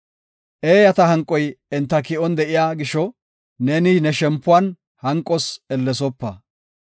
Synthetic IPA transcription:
ʔeːjɐt̪ɐɦɐŋkʼːɔjɪnt̪ːɐkɪɔnd̪ɛʔɪjaːɡɪʃɔ | neːnɪnɛʃɛmpːʊwɐn | hɐŋkʼːɔsɛlːɛs̬ɔpːɐ

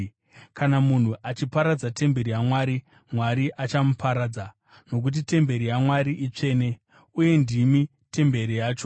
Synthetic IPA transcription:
kanamun̤uʔat͡ʃipaɾad͡zate̞mbe̞ɾijamwaːɾi | mwaɾiʔat͡ʃamupʰaɾaːd͡za | no̞k̬ut̬ite̞mbe̞ɾijamwaɾiʔit͡ʂe̞ːne̞ | uje̞ndimi | tʰe̞mbe̞ɾijaːt͡ʃo̞

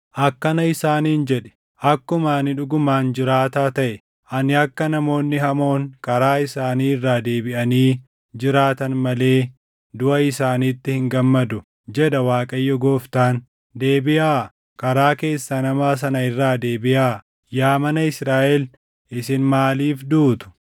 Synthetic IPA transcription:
ʔɐkːɐnɐɪsaːniːnd͡ʒɛᶑɛ̥ | ʔɐkːʊmaːnɪᶑʊɡʊmaːnd͡ʒɪɾaːt̪aːt̪ɐʔɛ | ʔɐnɪɐkːɐnɐmo̞ːnːɪhɐmo̞ːŋkɐɾaːɪsaːniːɪrːaːd̪e̞ːbɪʔɐniː | d͡ʒɪɾaːt̪ɐnmɐle̞ː | d̪ʊʔɐɪsaːniːt̪ːɪhɪŋɡɐmːɐd̪ʊ | d͡ʒɛɗɐwaːkʼɐjːɔɡo̞ːft̪aːn | d̪eːbɪʔaː | kɐɾaːke̞ːsːɐnɐmaːs̬ɐnɐɪrːaːd̪eːbɪʔaː | jaːmɐnɐɪsɾaːʔɛl | ɪsɪnmaːliːfd̪uːt̪ʊ̥

